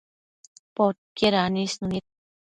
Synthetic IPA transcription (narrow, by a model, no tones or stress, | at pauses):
pot̪̚keɾanisnunit̪̚